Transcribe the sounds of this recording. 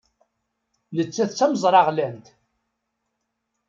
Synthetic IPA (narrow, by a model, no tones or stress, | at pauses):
lət͡sːæθt͡sːæməzˤɾˤɑʁlænt̪